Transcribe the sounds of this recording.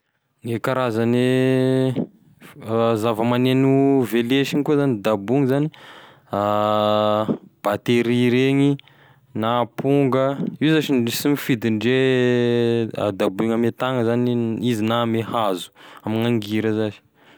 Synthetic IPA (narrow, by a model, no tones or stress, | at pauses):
ŋekaɾazane | zavəmanenuveleʃiŋikuzanid̪abuŋizani | a | b̥at̪eɾiɾeŋi | naːpuŋɡəizaʃisimifid̪iɳɖ͡ʐe | a̰d̪abuŋamet̪aŋəzaniizinamehazu̥amiŋaŋɡiɾəzazi̥